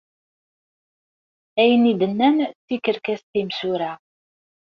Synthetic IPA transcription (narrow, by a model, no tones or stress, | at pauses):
æjənid̪ənːænt͡sːikːəɾkæst̪imsuɾæ